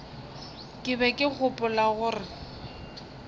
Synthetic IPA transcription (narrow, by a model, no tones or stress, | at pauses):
kʼɪbɛkʼɪk͡xʰʊpʼʊlaɣʊːrɪ